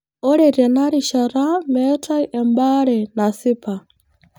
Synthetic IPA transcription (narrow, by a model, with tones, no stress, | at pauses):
ɔ˦ɺɛ˨ɾɛ˨na˦ɾi˨ʃaɾamɛtʰʼa˦iʔɛmba˦ɺɛna˨si˦pʰa˨